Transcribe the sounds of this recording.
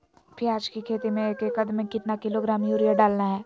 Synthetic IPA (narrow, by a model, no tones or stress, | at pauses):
pʰɪɾaːd͡ʒkikʰeːt̪imẽkekɐd̪mẽkɪt̪nakɪloɡɾaːmjuːɾijaɖaːlnaɦɛː